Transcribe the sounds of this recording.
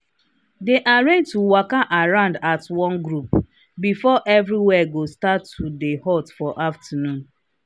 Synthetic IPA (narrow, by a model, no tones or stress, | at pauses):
deʔaɹẽtuwakaʔaɹãʊ̃ndatwɔ̃nɡɹup | bifɔʔɛvɾiwɛɡostatʰːudehɔtfɔʔaftənũn